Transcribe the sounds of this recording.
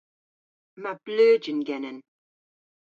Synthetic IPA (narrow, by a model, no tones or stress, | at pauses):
mab̥løːd͡ʒənɡɛnən